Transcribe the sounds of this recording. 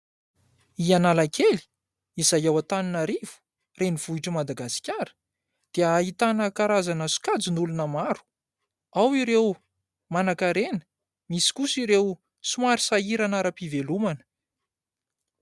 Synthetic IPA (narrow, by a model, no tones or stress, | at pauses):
ianalakeli̥ | izajawat̪aninaɾivu̥ | reniv̥uiʈ͡ʂəmad̪aɡasi̥kʲaɾə̥ | d̪̥eəːit̪anəkaɾazanəsu̥kad͡zinulunəmaɾu̥ | awiɾew | manakaɾenə̥ | misi̥kusiɾew | sumaɾisaiɾanaɾapivelumanə̥